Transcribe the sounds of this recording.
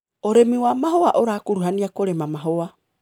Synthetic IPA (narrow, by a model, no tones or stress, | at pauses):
oɾemiwamaɦoaʔoɾakuɾuɦaniakoɾemamaɦoa